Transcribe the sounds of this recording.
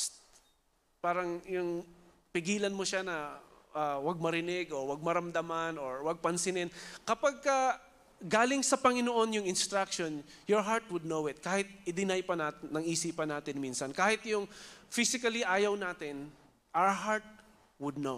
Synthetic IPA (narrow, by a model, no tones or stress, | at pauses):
paːɾɐŋjʊŋ | pɪɡiːlɐnmoʃanɐʔawɐɡ̚mɐɾɪnɪɡʔowɐɡ̚mɐɾɐmd̪ɐmanoɹwɐɡ̚pɐnsɪnɪnkɐpaɡ̚kɐ | ɡaːlɪŋsɐpɐŋɪnoʔo̞njʊŋɪnst̪ɾak̚ʃonjɔɹɦaɹt̪̚wʊd̪̚nowɪt̪̚kaːhɪt̪̚ʔɪd̪ɪnajpɐnat̪nːɐŋʔiːsiːpɐnaːt̪ɪnminsɐnkaːhɪt̪jʊŋfisɪkɐliʔaːjɐwnaːt̪ɪn | ʔawɹɦaɹt̪̚ | wʊd̪̚no